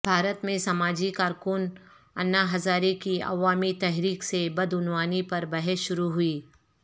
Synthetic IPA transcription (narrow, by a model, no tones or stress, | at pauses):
b̥ʱaːɾət̪mẽsɐmaːd͡ʒikaːɾkʊn | ɐ̰nːaɦɐzaːɾekiɐ̰ʋaːmit̪ɛɦɾiːksebɐd̪ʊnwaːnipɐɾbɐɦɛsʃʊɾuɦʊiː